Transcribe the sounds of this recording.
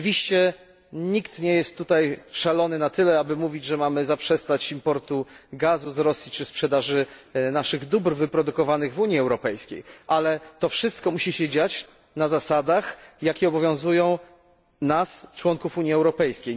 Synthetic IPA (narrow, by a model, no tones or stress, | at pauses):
vʲiɕt͡ɕɛ | ɲikt̪ɲɛjɛst̪ːut̪ajʂalɔnɘnat̪ɘlɛabɘmuvʲid͡ʑʐɛmamɘzapʂɛst̪at͡ɕimpɔɾt̪uɡazuzɾɔsʲjit͡ʂɘspʂɛd̪aʐɘnaʂɘɣd̪ubɾvɘpɾɔd̪ukɔvanɘɣvuɲjiɛwɾɔpɛjskʲḛjʔalɛt̪ɔfʂɘst̪kɔmuɕiɕɛd͡ʑat͡ɕ | nazasad̪axjakʲɛɔbɔvʲjɔ̃w̃zujɔ̃w̃ | nast͡ʂwɔŋkufuɲiɛwɾɔpɛjskʲej